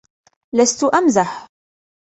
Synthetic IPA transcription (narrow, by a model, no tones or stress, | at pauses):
last̪ʊʔamzaħ